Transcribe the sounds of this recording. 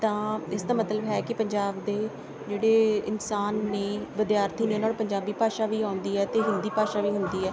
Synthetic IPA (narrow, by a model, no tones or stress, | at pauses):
t̪ãːɪsd̪aːmət̪ləbɦɛːkɪpəɲd͡ʒaːbd̪eː | d͡ʒeːɽeːɪnsaːnːeːʋɪd̪jaːɾt̪ʰiːneːnaːlpəɲd͡ʒaːbiːpaːʃaːʋiːãːʊnd̪iːɛːt̪eːɦɪ̃nd̪iːpaːʃaːʋiːɦʊnd̪iːɛː